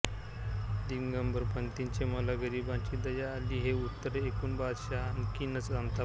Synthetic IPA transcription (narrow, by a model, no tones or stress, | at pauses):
d̪iɡɡəmbəɾpənt̪int͡ɕeməlaɡəɾibãt͡ɕiːd̪əjaːliːɦeut̪ːəɾekuːnbad̪ɕankinət͡sãnt̪a